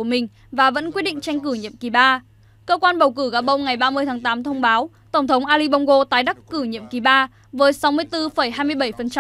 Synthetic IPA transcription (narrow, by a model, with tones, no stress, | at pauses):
əmï˨˩ŋ̟ | vaː˨˩və̰˧˥nkwi˦˥t̚ɗḭ˧˨ŋ̟t͡ɕa˧jŋ̟kɨ˧˩ɲḭ˧˨əmki˨˩ɓaː˧ | kəː˧kwaː˧nɓə˨˩wkɨ˧˩ɣaː˨˧˩ɓə˧wŋ͡mŋa˨˩jɓaː˧mɨ˧əjt̪ʰaː˨˦ŋt̪aː˨˦mt̪ʰə˧wŋ͡mɓaː˨˦w | t̪ə˧˩ŋ͡mt̪ʰə˨˦wŋ͡mʔaː˧li˧ɓɔ˧wŋ͡mɣo˧t̪aː˨˦jɗa˦˥kːɨ˧˩ɲḭ˧˨əmki˨˩ɓaː˧ | vəː˨˦jsa˨˦wmɨ˧əjt̪ɨ˧fə˧˩jɦaː˧jmɨ˧əjɓə˧˩jfə˨˩nt͡ɕa˧